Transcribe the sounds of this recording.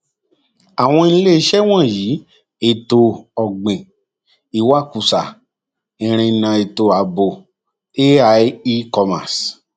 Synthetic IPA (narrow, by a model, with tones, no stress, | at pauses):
a˨w̃ɔ̃˧ĩ˦le˦i˧˦ʃɛ˦w̃ɔ̃˦˨ji˨˦ | e˨to˧ɔ˨ɡ͡bẽ˨ | i˨˦wa˦˨ku˨sa˨ | ĩ˨ɾ̃ĩ˧˨nã˨˧e˨to˨a˨bo˨ | e˦a˧˦i˦kɔ˧ma̰˨s